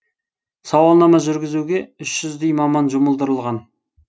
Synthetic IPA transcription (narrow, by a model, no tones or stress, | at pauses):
sɑwɑlˠnɑmɑʒʏɾɡʲɪzuɡʲe̞ʏʃʒ̥ʏzd̪ejmɑmɑnʒʊməlˠd̪əɾəlˠʁɑn